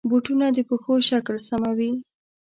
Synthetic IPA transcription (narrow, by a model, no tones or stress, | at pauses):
boʈunad̪əpəxoʃaklsamawi